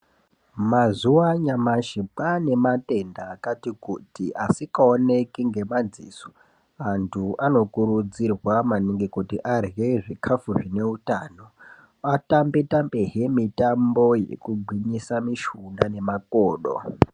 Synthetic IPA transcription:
mazuwaɲamaʃipane̞mate̞ndaːkatikutiʔasikaone̞kiŋɡe̞mad͡zḭso̥ | antʰuʔano̞kuɾud͡zirwamaniŋɡikutiʔarjeʐikʰafuʐine̞utaːno̞ | atambitambeɦemitambo̞jḛkubʱwiɲisamiʃundane̞makoːɗo̰

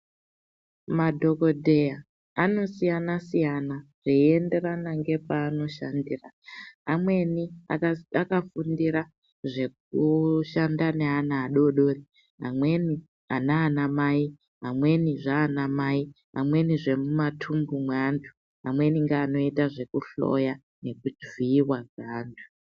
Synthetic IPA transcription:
madʱo̞ko̞dʱe̞ja | ano̞sijanasijanaʐ̥eie̞nde̞ranaŋɡe̞paːno̞ʃa̰ndiːra | amwe̞niaakafundiɾa | ʐe̞k̚uʃandane̞ɦanaːɗo̞ɗo̞ːri | ɦa̰mwe̞ni | anaːnamai | ɦamwe̞niʐaːnamai | ɦa̰mwe̞niʐe̞mumatʰumbumwantʰu̥ | amwe̞niŋɡeaːno̞itaʐe̞kuɬo̞̰ja | ne̞kud͡ʒviːwaɡaːndʰu̥

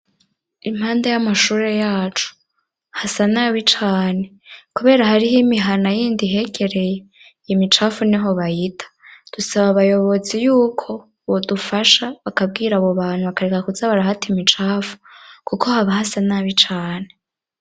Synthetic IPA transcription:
im̥haːndajamaʃuːɾe̞jaːt͡ʃu̥ | hasanaːβit͡ʃaːne̞ | kuβe̞ːɾahaɾiɦimiɦanajiːndiɦe̞ɡe̞ɾe̞je | jimit͡ʃaːfuniɦo̞βahitʰḁd̥usaβaβajo̞βo̞zijuːkʰo̞ | βodufaʃaβakab̚ɡiːɾaβoβaːn̥huβakaɾekakuzaβaɾahatimit͡ʃaːfu̥kukʰo̞haβahasanaːβit͡ʃaːne̞

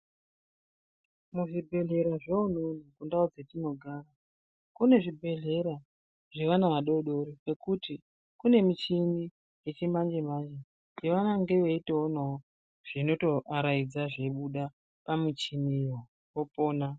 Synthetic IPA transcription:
muʐibʱe̞ɮe̞ɾaʐeunonikundaud͡ze̞tino̞ɡʱaːra | kune̞ʐibʱe̞ɮe̞ɾa | ʐe̞ʋanaʋaɗoɗo̞ɾike̞kuti | kune̞mit͡ʃini | jet͡ʃimand͡ʒemand͡ʒe | iʋanaŋɡe̞ʋe̞iteonao | ʐ̥ino̞to̞ʔaɾaid͡zaʐeɓuɗa | pamit͡ʃinijo | opoːna

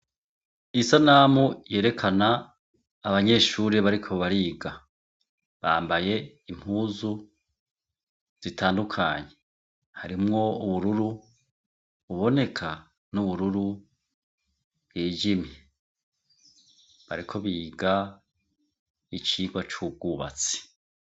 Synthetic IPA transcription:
isanaːmuje̞ːɾe̞kʰanaː | βaɲe̞ːʃuːɾeβaɾikʰo̞βaɾiːɡa | βa̰ːmbaje̞ | im̥huːzu | z̥itʰaːndukʰa̰ːɲe̞ | haɾimŋo̞uβuɾuɾu | βuβo̞ne̞kʰa | nuβuɾuɾu | βwiːd͡ʒimi | βa̰ɾikʰo̞βiːɡa | it͡ʃiːɡwat͡ʃuːb̚ɡuːβa̰t͡si̥

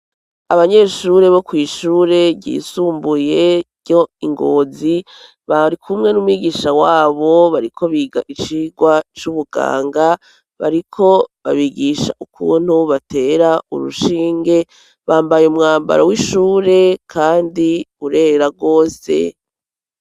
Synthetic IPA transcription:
aβaɲe̞ʃuːɾe̞βo̞kwiːʃuːɾe̞βɟḭːsuːmbuje̞ɾɟo̞iŋɡo̰ːzi | βaɾikʰumŋe̞numwiːɡiːʃawaːβo̞βaɾikʰo̞βiːɡaʔit͡ʃiːɡwat͡ʃuβuɡa̰ːŋɡa | βa̰ɾikʰo̞βaβiɡiʃa̰ʔukʰṵːn̥huβate̞ɾaṵɾṵʃiːŋɡe̞ | βaːmbajumŋaːmba̰ɾawiʃuːɾe̞kʰaːndiuɾe̞ːɾaɡo̞ːse̞̰

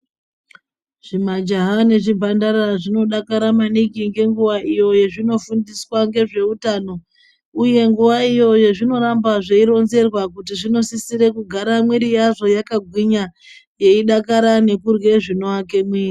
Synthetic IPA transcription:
ʐ̥imad͡ʒaɦane̞ʐibʱandaɾaʐino̞ɗakaɾamanikiŋɡe̞ŋɡuʋaʔijo̞je̞ʐino̞fundiswaŋɡe̞ʐe̞utaːno̞ | uje̞ŋɡuʋaijo̞je̞ʐino̞ɾambaʐeiɾo̞nze̞rwakutiʐino̞sisiɾe̞kuɡʱaɾamwiɾijaʐo̞jakaɡʱwiɲa | je̞iɗakaɾane̞kurwe̞ʐinoake̞mwiːri

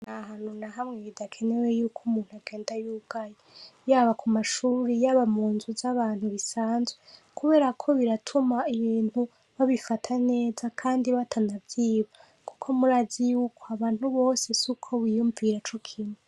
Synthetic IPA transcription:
nahanunaɦamŋeβidakʰe̞ne̞wejuːkʰumuːn̥huaɡe̞ːndajuːbɡ̥ajejaːβakʰumaʃuːɾejaːβamuːnzuzaβaːn̥huβisaːnzwe | kʰuβe̞ɾakʰo̞βiɾatʰumaiβiːn̥hu | βaβifatʰane̞ːzakʰaːndiβatʰanavjiːβa | ku̥kʰo̞muɾazijuːkʰoaβaːn̥huβo̞ːse̞sukʰo̞βijuɱviɾat͡ʃokʰinu

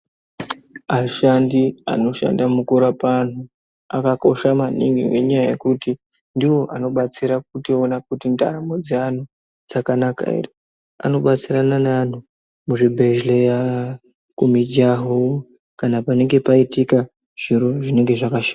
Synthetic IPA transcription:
aʃandia̰no̞ʃa̰ndamukuɾapan̤u | a̰kako̞ʃamanḭŋɡḭwe̞̰ɲajaje̞̰kuti | ndiwo̞ʔano̞ɓat͡siɾak̚utionakutinda̰ɾamo̞d͡zean̤u | d͡zakanaka̰ḭri | a̰no̞ɓat͡siɾananan̤u | muʐibʱe̞ʒleja | kumid͡ʒaɦo | kanapane̞ŋɡe̞paitika | ʐ̥iɾo̞ʐine̞ŋɡe̞ʐakaʃḁːa

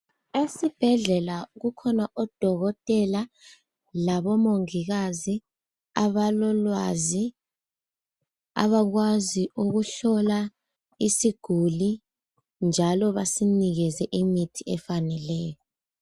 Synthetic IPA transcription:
esib̥ʱɛɮɛlaɣukʰɔnaʔɔd̥ʱɔɣɔtʼɛla | laɓɔmoŋiɣ̬azi | aβalɔlwazi | a̰βaɣ̬waziuɣ̬uɬɔla | isiɡ̥ʱuli | nd͡ʒʱalɔβasiniɣɛzɛʔimitʰiɛfanɛlɛːjɔ

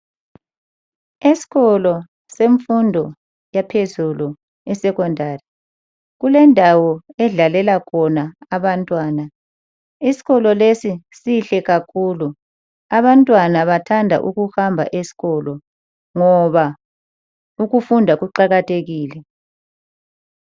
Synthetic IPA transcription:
esi̥ɣɔlɔ | seɱfundʱɔ | japʰezulu | ɛsɛɣɔndʱaːri | ɣulɛndʱawɔɛɮalɛlakʰɔnaːβantʼwaːna | isi̥ɣɔlɔlesisiɬɛɣakʰuːlu | aβantʼwanaβatʰandʱa̰ʔuɣuhambʱa̰ʔesi̥ɣɔlɔ | ŋɔβa | uɣufundʱaɣuǃaɣatʰeɣiːlɛ

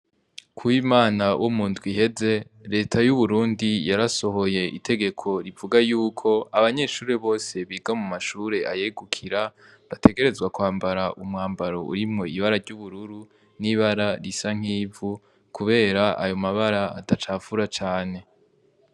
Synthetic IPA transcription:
kʰuwiːmaːnawʔomuːndɡwiɦe̞ze̞ | ɾe̞ːtʰajuβuɾuːndijaɾaso̞ɦo̞je̞ʔḭtʰe̞ɡe̞kʰo̞ɾivuɡajuːkʰo̞aβaɲe̞ːʃuːɾeβo̞ːse̞βiːɡamumaʃuːɾe̞ajeɡukʰiɾa | βatʰe̞ɡe̞ɾe̞zɡwakwaːmbaɾaʔumŋaːmbaɾo̞ʔṵɾimŋo̞iβaɾaɾɟuβuɾuɾu | niβaɾaɾisaŋ̥iːvu | kuβe̞ːɾaʔajo̞maβaɾaatat͡ʃaːvuɾat͡ʃaːne̞

